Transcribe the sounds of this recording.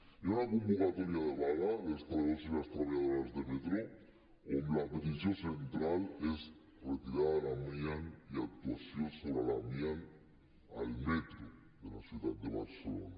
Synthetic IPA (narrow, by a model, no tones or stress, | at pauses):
onakombokat̪oɾjaðeβalalest̪aaðosilast̪ɾaβajaðoɾazðemet̪ɾo | onlapet̪isjosent̪ɾales | ret̪iɾaðalamjaniak̚t̪wasjo̞nsoβɾalamjan | a̰lme̞t̪ɾo | ðelasjuðad̪̚d̪eβaɾselo̰na